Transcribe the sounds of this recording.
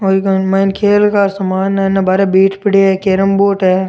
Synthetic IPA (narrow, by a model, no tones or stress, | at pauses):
oːikɐmankʰeːlkasɐmaːnɛnabaːɾebiːʈpɪɽeɦɛkeːɾəmboːʈɦɛː